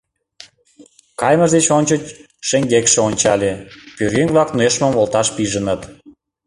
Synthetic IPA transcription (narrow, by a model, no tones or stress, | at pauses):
kɑjməʒd̪et͡ɕonʲt͡ɕət͡ɕ | ʃeŋɡekʃĕonʲt͡ɕɑlʲepyɾeŋvlɑknueʃmə̆molˠt̪ɑʃpiʒənət̪